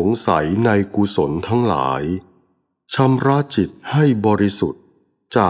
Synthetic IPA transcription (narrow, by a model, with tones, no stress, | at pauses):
o˩˦ŋsa˩˦jna˧jku˧so˩˦nt̪ʰa˦˥ŋla̰ː˩˦j | t͡ɕʰa˧mɾa˦˥t͡ɕi˨˩t̪̚ha˥˩jbɔː˧ɾi˦˥su˨˩t̪̚ | t͡ɕaː˨˩